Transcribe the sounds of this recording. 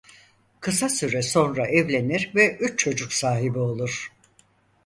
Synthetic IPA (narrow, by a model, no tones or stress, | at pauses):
kʰɯsasyɾɛso̞nɾaʔɛvlʲe̞niɾvɛyt͡ʃt͡ʃʰo̞d͡ʒuksaːɦibio̞lˠuɾ̥